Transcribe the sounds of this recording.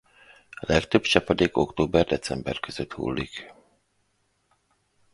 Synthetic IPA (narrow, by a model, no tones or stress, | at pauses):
ɒlɛkt̪øbt͡ʃɛpɒd̪eːkokt̪oːbɛrd̪ɛt̪sɛmbɛrkøz̥øt̪hṵːlːik